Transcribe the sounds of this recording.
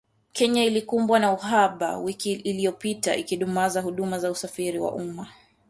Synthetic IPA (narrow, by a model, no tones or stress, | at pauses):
kʰɛɲailikumbwanauɦaɓa̰wikiːlijɔpita̰ʔikiɗumazaɦuɗumazausafiɾiwa̰ʔuma